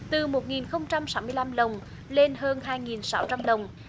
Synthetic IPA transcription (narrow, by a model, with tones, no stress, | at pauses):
t̪ɨ˨˩mo˨˩t̚ŋi˨˩nxə˧wŋ͡mt͡ɕa˧msaː˦mɨ˧əjla˧mɗə˨˩wŋ͡m | le˧nɦəː˧nɦaː˧jŋi˨˩nsa˨˦wt͡ɕa˧mɗə˨˩wŋ͡m